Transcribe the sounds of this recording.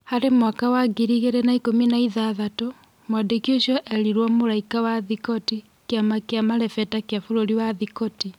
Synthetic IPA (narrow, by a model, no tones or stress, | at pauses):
haɾemwakawaɡiɾiɣeɾɛnaikominaiðaðato | mwadekjoʃjɔʔɛɾiɾwamoɾaikawaðikɔti | kjamakeamaɾɛfɛtakeafoɾoɾiwaðikɔti